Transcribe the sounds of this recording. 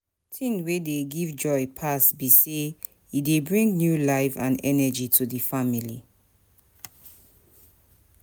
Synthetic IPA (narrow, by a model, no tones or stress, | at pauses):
tʰĩnwedeɡivd͡ʒɔɪpʰasbise | idebɹĩŋnjulaɪfãnɛnəd͡ʒitʰudifamilḭ